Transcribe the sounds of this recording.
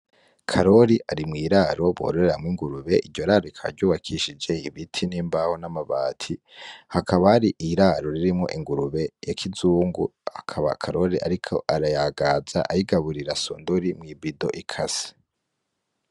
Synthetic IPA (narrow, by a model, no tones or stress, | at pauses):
kʰaɾo̞ɾiʔaɾimŋiːɾaːɾoβo̰ɾoɾeɾamŋwiŋɡuɾuβe̞ʔiɾɟo̞ɾaɾoikʰa̰ɾɟuːwakʰiʃid͡ʒe̞iβitʰiniːmbahonamaβaːtʰi | hakʰaβahaɾiʔiɾaːɾo̞ɾiɾimŋo̰ʔiŋɡuɾuβe̞jakʰizuːŋɡuha̰kʰaβa̰kʰaɾo̞ɾiʔaɾikʰo̞̰ʔaɾajaɡaːza̰ʔa̰jiɡaβuɾiɾasṵːndoɾimŋiːbido̞̰ʔikʰasi̥